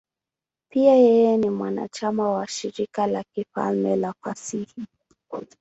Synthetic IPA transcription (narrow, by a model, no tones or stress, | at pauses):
piajɛjɛnimwana̰t͡ʃamawaʃiɾikalakifa̰lmɛlafasihi